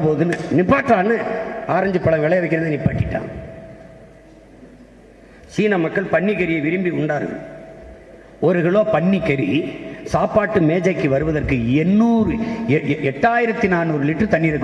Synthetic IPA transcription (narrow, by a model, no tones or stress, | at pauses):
poːðɯnɯnɪpːaːʈːraːnɯaːɾɐɲd͡ʒɯpːɐɭɐŋʋɛɭɐjɐʋɐɪkːɪɾɐnðɯnɪpːaːʈːɪʈːã̰ːŋ | t͡ʃiːnɐmɐkːɐɭpɐɳːikɐɾɪjɐʋɪɾɯmbiʊɳɖaːɾɣɯ̰m | ɔɾɯɣɐɭoːpɐɳːikːɐɾisaːpaːʈːɯmeːd͡ʒɐɪkːɯʋɐɾɯʋɐðɐrkɯɛnːuːɾɯ | ɛʈːaːjɪɾɐt̪ːinaːnuːɾɯlɪʈːrɯt̪ɐnːiːɾɐkː